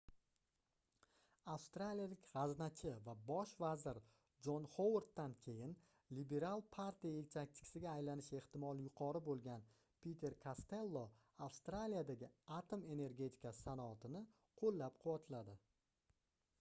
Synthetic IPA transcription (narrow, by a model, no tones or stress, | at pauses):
afst̪ɾalijalɪkʲʁɑznat͡ʃʰɪvabɒʃvazɪɾ | d͡ʒonχowoɾt̪ːankʲʰe̞jɪn | libe̞ɾalˠpʰaɾt̪ijaelt̪ʰak̚ʲt̪ʰɪ̥kʰʲɪ̥sɪɡʲaːjlanɪʃe̞ht̪ɪmɒlˠjʊqʰɒɾɪbolˠɡʲan | pʰʲet̪ʰe̞ɾkʰast̪e̞lˠːo | afst̪ɾalijad̪aɡʲɪat̪ʰome̞ne̞ɾɡʲe̞t̪ʰɪ̥kʲassanɒːt̪ɪnɪ | qʰolːap̚qʰʊwat̪ʰɪlad̪ɪ